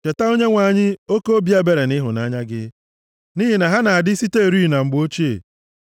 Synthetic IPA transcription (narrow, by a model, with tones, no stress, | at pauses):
t͡ʃe˨ta˦o˦ɲe˦ŋʷa˨ɲɪ˦o˦ko˦o˦bi˨˦a˦be˨ɾe˨nɪ˦ɦʊ˨na˦ɲa˦ɡɪ̰˦ | ni˦ɦi˨na˨ɦa˦na˨a˨dɪ˦si˦te˦e˨ɾi˦˨na˨ŋ͡m̩˨ɡ͡bo˦t͡ʃi˦ḛ˨